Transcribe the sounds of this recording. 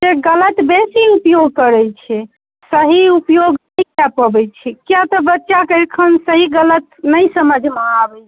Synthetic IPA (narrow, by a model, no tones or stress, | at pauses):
d͡ʒeɡələt̪besiupjoɡkəɾɛt͡ʃʰɛ | səɦiupjoɡnəjkapəbɛt͡ʃʰɛkjat̪ɔbətːʃakəɾkʰənsəɦiɡələt̪nəjsəməd͡ʒʱmaabɛt͡ʃʰ